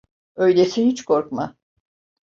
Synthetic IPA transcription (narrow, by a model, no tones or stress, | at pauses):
ø̞jlʲesihit͡ʃkʰo̞ɾkma